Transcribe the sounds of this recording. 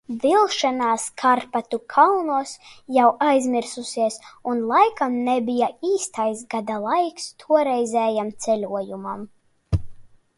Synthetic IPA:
vʲilˠʃanaːskʰaɾpat̪ukʰalnuɔsjawajzmʲiɾsusiɛsunlˠajkamnɛbʲijaiːst̪ajsɡad̪alˠajkst̪ʰuɔɾɛjzʲɛːjamt̪sɛlʲuɔjumam

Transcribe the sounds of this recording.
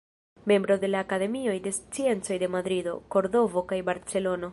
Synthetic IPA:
me̞mbɾo̞de̞laːkade̞mio̞jde̞st͡sie̞nt͡so̞jde̞mad̪ɾido̞̰ko̞ɾdo̞vo̞kajbaɾt͡se̞lo̞no

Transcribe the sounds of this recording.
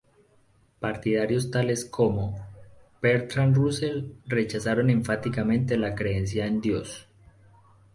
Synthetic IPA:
paɾt̪iðaɾjo̞st̪ale̞skʰo̞mo | peɾt̪ɾanruselre̞t͡ʃasaɾo̞ne̞ɱfat̪ikamẽ̞nt̪̬e̞lakɾe̞ens̬jaend̪jo̞s

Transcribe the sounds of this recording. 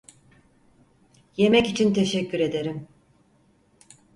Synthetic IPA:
je̞mɛcit͡ʃʰint̪ʰeʃɛcːyɾe̞d̪e̞ɾim

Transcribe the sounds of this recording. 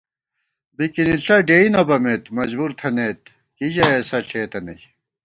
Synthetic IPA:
bikiniɬɐɖeinɐbɐmet̪mɐzbuɾt̪ʰɐnet̪̚ | kid͡ʑɐesɐɬeːt̪ɐnɐ̰j

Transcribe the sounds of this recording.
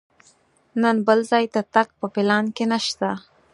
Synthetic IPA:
nənbəlzɑjd̪at̪akpəfɪlɑnkenaʃt̪a

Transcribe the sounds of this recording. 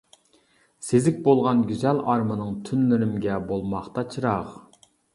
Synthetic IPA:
sezɪkʲbolˠʁɑnɡʲyzɛlɑɾmɨnɨŋt̪ʰynlɪɾɪmɡʲɛbolˠmɑχt̪ɑt͡ʃʰɨɾɑʁ

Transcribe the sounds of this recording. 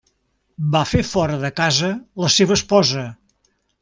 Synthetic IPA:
bafefɔɾəðəkazələseβ̞əːspɔzə

